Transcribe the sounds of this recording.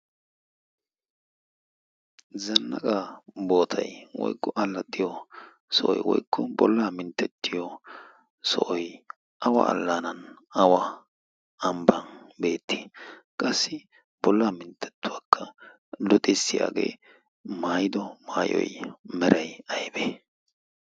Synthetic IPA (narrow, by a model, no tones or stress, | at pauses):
zɐnːɐkʼabo̞ːt̪ʰɐjwɔ̰jkːɔʔɐlːɐt̪ʼːɪjɔ | sɔʔɔjwɔ̰jkʰːɔbɔlːaːmɪnt̪ːɛt̪ʰːɪjɔ | sɔ̰ʔɔj | ɐwɐ̰ɐ̰lːaːnɐnɐwɐ | ɐmbɐnbe̞ːt̪ʰːi̥kʼɐsːɪ | b̥ɔlːaːmɪnt̪ʰːɛ̥t̪ːʊwaːkʰːɐ | lʊt̪ʼɪsːɪja̰ːɡe̞̰ː | maːjɪd̪ɔmaːjɔ̰jmɛɾʔɐjɐjbeː